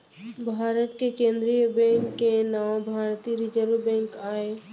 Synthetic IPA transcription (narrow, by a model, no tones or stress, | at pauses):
bʱaːɾət̪kekẽːnd̪ɾijəbɛ̃ːŋkːenaːwbʱaːɾt̪iɾɪd͡ʒəɾʋbɛ̃ːŋkaːeː